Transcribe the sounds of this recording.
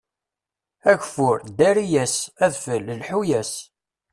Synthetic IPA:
æʝfʊɾd̪æɾijæsæðfələlħujæs

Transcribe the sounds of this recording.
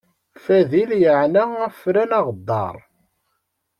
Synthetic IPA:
fæðiljəʕnææfɾænɑʁd̪ˤːɑ̰ɾˤ

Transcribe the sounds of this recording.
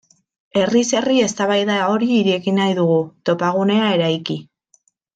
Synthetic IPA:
e̞rise̞rie̞st̪aβajðao̞ɾiːɾeɣinajðuɣut̪o̞paɣ̞une̞ae̞ɾajki

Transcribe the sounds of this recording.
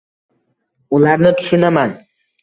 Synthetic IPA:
ulˠaɾnɨt̪ʰʊ̥ʃʊnaman

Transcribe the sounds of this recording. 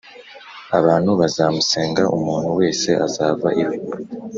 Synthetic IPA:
aβaːn̥huβazamuse̞ːŋɡaʔumuːn̥huwe̞ːse̞ʔazaːvaʔiɾu

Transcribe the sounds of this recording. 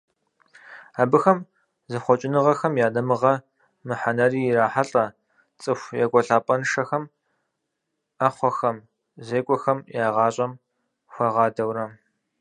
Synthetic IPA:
aːbɨxɐm | zɐχʷɔt͡ʃʼɪnɨʁɐxɐmjaːdɐmɨʁɐ | mɨħanɐriːjɪraːħaɬʼɐ | t͡sʼɨxʷjɛ̰ɡʷʼɔɬaːpʼɐnʂɐxɐm | ɐχʷɔxɐm | zeːkʷʼɔxɐmjaːʁɑːɕʼɐm | xʷɐʁɑːdɐwrɐ

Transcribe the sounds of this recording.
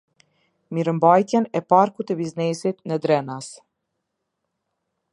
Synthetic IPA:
miɾəmbajt̪jɛnɛpaɾkut̪ɛbiznɛsit̪nəd̪ɾɛnas

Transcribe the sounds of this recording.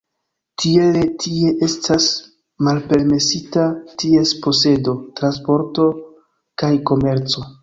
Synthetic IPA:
tʰie̞letʰie̞ʔe̞stʰas | malpe̞ɾme̞sitatie̞spo̞se̞do̞tɾanspo̞ɾto̞ | kajko̞me̞ɾt͡so̞

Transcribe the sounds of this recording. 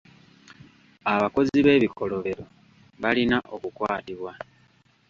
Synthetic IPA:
aβako̞ziβe̞ːβikʰo̞lo̞βe̞ɾo̞ | βalinaʔo̞kukwaːtiβwa

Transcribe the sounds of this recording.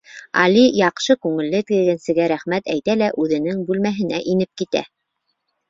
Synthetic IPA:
ɑ̰lʲijɑqʃɤkʉŋɘ̆lːɘt̪ɘ̆ɡɘ̆ɡɘ̆nsɘ̆ɡæɾæχmæt̪æjt̪ælæʔʉðɘ̆nɘŋbʉlmæɦɘ̆næʔinɘp̚kit̪æ̰

